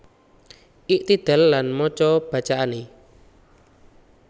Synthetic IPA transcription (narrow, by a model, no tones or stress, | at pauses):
ʔiʔt̪id̪̥ɛ̤lːanmɔt͡ʃɔb̥ä̤t͡ʃaʔane